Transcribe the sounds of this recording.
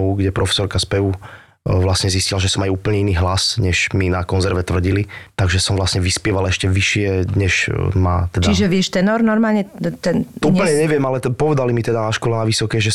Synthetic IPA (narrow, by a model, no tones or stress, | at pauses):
ɡɟɛpɾɔfɛ̥sɔɾkaspɛu | ʋlasɲɛziscilaʒɛsɔmajuːpl̩ɲɛiniːɦlasɲɛʒ̥minakɔnzɛɾʋɛt̪ʋr̩ɟilit̪aɡʒɛsɔmʋlasɲɛʋispɪɛʋalɛʃcɛʋiʃɪɛɲɛʒma̰t̪ɛd̪aiʒɛʋɪɛʃt̪ɛnɔɾnɔɾmaːlɲɛt̪ɛnuːpəlɲɛɲɛʋɪɛmalɛpɔʋɛd̪alimit̪ɛd̪anaʃkwɔlɛnaʋisɔkɛʒɛ